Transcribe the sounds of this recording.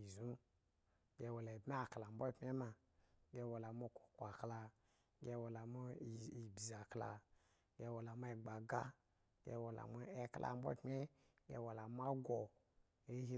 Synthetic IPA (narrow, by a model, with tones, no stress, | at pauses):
i˨zu˦ | ɡe˧wo˨la˨bm˦a˦˨kla˨m̩˦bo˦˨pmʲe˦ma˧ | ɡe˧wo˨la˨mo˦˧˨ko̥˨kʷa˨kla˧ | ɡʲe˧wo˨la˨mu˦˨i˨ba˨kla̰˧˦ | ɡe˧wo˨la˨ma˦e˨ɡ͡ba˨ɡa˦ | ɡḛ˧wo˨la̰˨mu˧˦e˧klʔa̰˧˨m˦bo̰˦˨pmʲe˦ | ɡḛ˧wo˨la˨mʷ˦a˦ɡo˨ | e˦ɦi˦